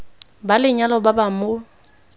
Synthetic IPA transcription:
balɪɲalɔbabamʊ

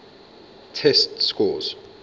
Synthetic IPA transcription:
tʰɛstskɔz

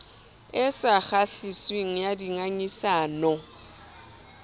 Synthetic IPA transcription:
ɪsaɣaɬisweŋ̩jadiŋaɲisaːnɔ

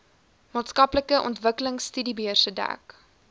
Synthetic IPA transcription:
mɑːtskɐpləkəʔɔ̰ntvəkələŋsːtydibiərsədæ̰k

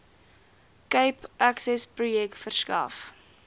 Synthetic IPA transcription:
kəjpʔæksɛsprujɛktfərskɐ̰f

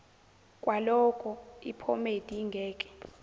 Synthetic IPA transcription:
kʼwalɔkʰʼɔipʰɔ̰med̥ʱiŋɡʱɛːkʼɛ̥

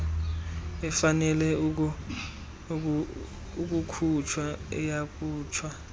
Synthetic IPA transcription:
ɛfanɛlɛ | uk̬ʼukʰut͡ʃʰwaɛjakʼuːt͡ʃʰwa

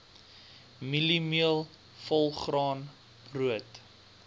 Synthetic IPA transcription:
milimiəlˠ | fɔlˠχrɑːn | bruət

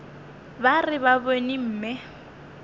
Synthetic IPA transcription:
barɪbabonim̩ːmɪ

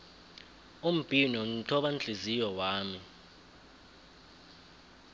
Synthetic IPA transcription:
um̩pʼinɔn̩tʰɔɓand͡ɮʱizijɔwaːmi

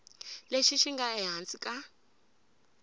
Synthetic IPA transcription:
leʃiʃiŋɡaɛɦant͡sʼikʼa

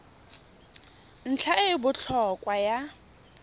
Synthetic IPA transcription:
n̩t͡ɬʰaɪbʊt͡ɬʰɔkʼwaja

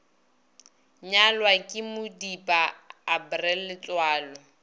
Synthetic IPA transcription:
ɲalwakʼɪmʊdipʼaːbrɛlːɪt͡ɬwaːlɔ

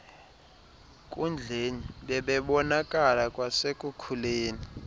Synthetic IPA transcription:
kʼund͡ɮʱeniɓɛɓɛɓɔnakʼalakʼwasekʼukʰuleːni

